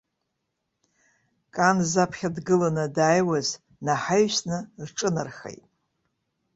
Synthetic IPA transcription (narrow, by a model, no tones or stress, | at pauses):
kʼanzapʰχʲadɡɨlanɨdaːjwaz | naħaɥsnɨrʈ͡ʂʼɨnarχḛjtʼ